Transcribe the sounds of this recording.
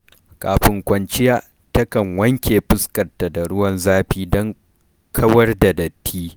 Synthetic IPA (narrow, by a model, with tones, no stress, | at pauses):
kaː˨ɸɪ˨ŋkʷɐ˨nt͡ʃɪ˦jaː˦ | tɐ˦kɐ˨ŋwɐ˦ŋkʲeː˨ɸɪ˦skɐ˨rta˨da˨ɽʊ˦wɐ˦nzaː˦ɸiː˦dɔ˦ŋ | kʰɐ˦wɐ˦rda˨dɐ˨tʰːiː˦